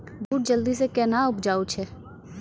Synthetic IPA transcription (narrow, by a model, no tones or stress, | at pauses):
buːʈ̚d͡ʒəld̪iːsekɛːnaːʊpd͡ʒaːut͡ʃʰɛː